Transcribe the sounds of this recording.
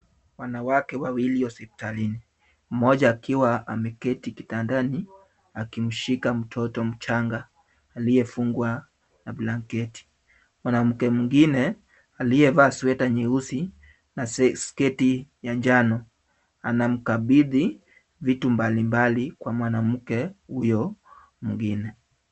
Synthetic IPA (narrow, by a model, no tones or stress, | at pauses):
wanawakɛwawiliɔsɛpi̥talini | m̩mɔʄaːkʰiwaa̰mɛkɛtiki̥tandani | akim̩ʃikam̩tʰɔtɔm̩t͡ʃaŋɡaː | lijɛfuŋɡwa | nablaŋkɛti̥ | mwanam̩kɛmiŋɡinɛ | alijɛvaːswɛtaɲiusi | naskɛtijaɲd͡ʒanɔ | anam̩kaɓiði | vitumbalimbalikwamwanam̩kɛhujɔ | muŋɡinɛ